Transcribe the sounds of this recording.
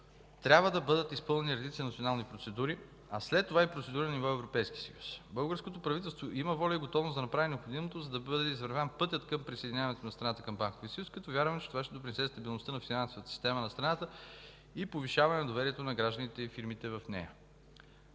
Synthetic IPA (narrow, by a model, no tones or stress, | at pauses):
t̪ɾʲabvəd̪ɐbɤd̪ət̪ispɤlˠnɛniɾɛd̪it̪siɐnɐt̪sionalˠnipɾot̪sɛd̪uɾi | ɐslɛt̪ːovaipɾotsɛd̪uɾənɐnivɔɛvɾopɛjsk̟ʲi̥sɐ̰ju̥sbɤlˠɡəɾskot̪opɾɐvit̪ɛlˠst̪voʔiməvɔlʲɛiɡot̪ɔvnosd̪ɐnɐpɾavinɛopxod̪imot̪ozɐd̪ɐbɤd̪ɛizvəɾvʲanpɤt̪ʲjət̪kəmpɾisəɛd̪inʲavɐnɛt̪onɐst̪ɾɐnat̪əkɐmbaŋkoviəsjuskɐt̪ɔvʲjaɾvəmɛt͡ʃɛ̥t̪ovaʃt̪ɛd̪opɾinɛsɛst̪ɐbilˠnost̪ənɐfinansovət̪ə̥sist̪ɛmɐnɐst̪ɾɐnat̪ə | ipoviʃavɐnɛnɐd̪ovɛɾiɛt̪onɐɡɾaʒd̪ənit̪ɛifiɾmit̪ɛvɐfnɛ̰jə